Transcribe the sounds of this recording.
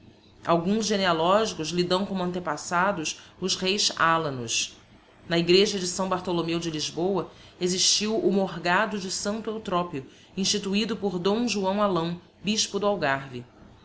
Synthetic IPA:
a̰wɡũzʒenealɔʒikʊzlid̪ɐ̃w̃kõmʊɐ̃nt̪epasad̪ʊsʊzhejzalɐ̃nʊs | nɐiɡɾeʒɐd͡ʒɪsɐ̃w̃baɾt̪olomewd͡ʒɪliʒbowɐ | eziʃt͡ʃiwʊmoɦɡad̪ʊd͡ʒɪsɐ̃nt̪ʊewt̪ɾɔpjʊ | ĩʃt͡ʃit̪uid̪ʊpʊɾd̪õw̃ʒuɐ̃w̃alɐ̃w̃ | biʃpʊd̪ʊawɡaɾvi

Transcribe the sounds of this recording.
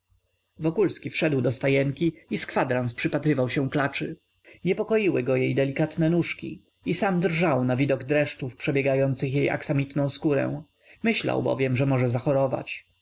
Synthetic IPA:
vɔkulskʲifʂɛd̪wd̪ɔst̪ajɛŋkʲiiskfad̪ɾanspʂɘpat̪ɾɘvawɕɛ̃klat͡ʂɘ | ɲɛpɔkɔjiwɘɡɔjejd̪ɛlʲikat̪nɛnuʂkʲḭ | isamd̪ɾʐawnavʲid̪ɔɡd̪ɾɛʂt͡ʂufpʂɛbʲjɛɡajɔnt̪sɘxjejʔa̰ksamʲit̪nɔ̃w̃skuɾɛ̰w̃ | mɘɕla̰wbɔ̰vʲjɛmʐɛmɔʐɛzaxɔɾɔva̰t͡ɕ

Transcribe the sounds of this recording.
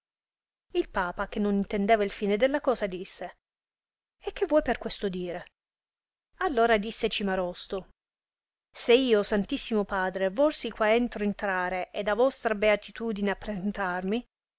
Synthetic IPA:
ilpaːpak̟enːonint̪end̪eːvailfiːned̪elːakɔːzad̪isːe | ek̟ːevːɔjperkwest̪od̪iːɾe | alːoːɾad̪isːet͡ʃimaɾɔst̪o | seiːosant̪isːimopaːd̪ɾevɔrsikwaɛnt̪ɾoent̪ɾaːɾeʔed̪avɔst̪ɾabeat̪ʰit̪uːd̪ineapːɾezent̪armi

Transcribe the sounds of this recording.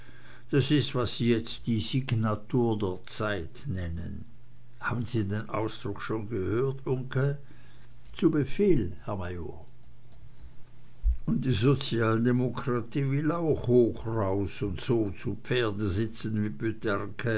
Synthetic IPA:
d̥asɪstv̥asz̥iːjɛt͡std̥iːziɡnatuːɐdeːɐt͡saɪtnɛnən | ha̰ːbn̩ziːdeːnʔa̰ʊsd̥ʁʊkʃoːnɡəhøːɐtʔʊŋkə | t͡subəfeːlhɛɐmajoː | ʔʊnt̚d̥iːzot͡sjaːldemokʁ̥atiːvɪlaʊxhoːxʁaʊsʊntz̥oːt͡supfeːɐdəzɪt͡sn̩viːbytʰɛʁkʰə

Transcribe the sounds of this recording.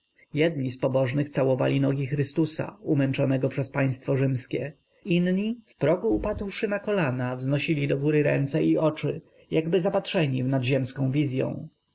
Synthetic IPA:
jɛd̪ɲispɔbɔʐnɘxt̪sawɔva̰lʲinɔɡʲixɾɘst̪usa̰umɛnt͡ʂɔnɛɡɔpʂɛspaj̃st̪fɔʐɘmskʲɛ | inɲifpɾɔɡuːpad̪wʂɘnakɔlanavznɔɕilʲid̪ɔɡuɾɘɾɛ̰nt̪sɛiʔɔt͡ʂɘ | jaɡbɘzapatʂɛɲivnad̪ʑɛmskɔ̃w̃vʲizʲjɔ̰̃w̃

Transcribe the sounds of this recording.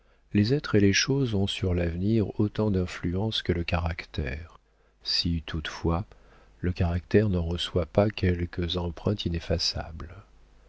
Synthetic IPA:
lezɛt̪χeleʃozɔ̃syʁlavniʁot̪ɑ̃d̪ɛ̃flyɑ̃skələkaʁakt̪ɛ̰ːʁ | sit̪ʰut̪fwa | ləkaʁakt̪ɛʁnɑʁəswapakʲʰɛlkəzɑ̃pχɛ̃t̪inefasa̰bl

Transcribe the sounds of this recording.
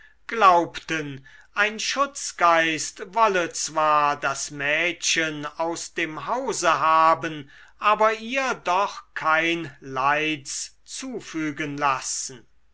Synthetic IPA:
ɡ̥laʊptənʔaɪnʃʊt͡sɡ̥aɪstvɔlət͡sv̥aːɐdasmɛːʃənaʊsd̥eːmɦaʊzəɦaːbən | ʔaːbɐiːɐdɔχkʰaɪnlaɪt͡s | t͡suːfyːɡənlasn̩

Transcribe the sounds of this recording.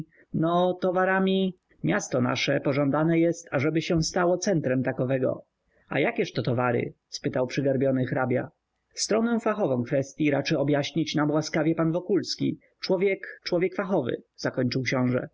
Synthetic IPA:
nɔt̪ɔvaɾamʲi | mʲjast̪ɔna̰ʂɛpɔʐɔ̃nd̪anɛjɛst̪aʐɛbɘɕɛst̪awɔt̪sɛnt̪ɾɛmt̪akɔvɛɡɔ̰ | a̰jakʲɛʂt̪ɔt̪ɔvaɾɘ̰ | spɘt̪awpʂɘɡaɾbʲjɔnɘxɾabʲja̰ | st̪ɾɔnɛw̃faxɔvɔ̃w̃kfɛst̪ʲjiɾat͡ʂɘɔbʲjaɕɲit͡ɕnamwaskavʲjɛpanvɔkulskʲḭ | t͡ʂwɔvʲjɛkt͡ʂwɔvʲjɛkfaxɔvɘ̰z̥akɔɲt͡ʂɘwkɕɔ̃w̃ʐɛ̰

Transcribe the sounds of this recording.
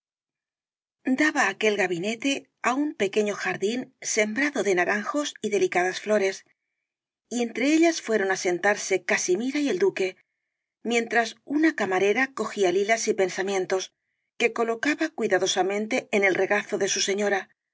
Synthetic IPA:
d̪aβaːke̞lɣaβine̞t̪e̞ | aumpe̞ke̞ɲo̞xaɾðinse̞mbɾaðo̞ðe̞naɾaŋxo̞siðe̞likaðasflo̞ɾe̞s | ie̞nt̪ɾe̞eʎasfwe̞ɾo̞nase̞nt̪aɾse̞kasimiɾaie̞ld̪uke̞ | mje̞nt̪ɾasunakamaɾe̞ɾako̞xialilasipe̞nsamjẽ̞nt̪o̞s | ke̞ko̞lo̞kaβakwiðaðo̞samẽ̞nt̪e̞ene̞lre̞ɣaθo̞ðe̞suse̞ɲo̞ɾa

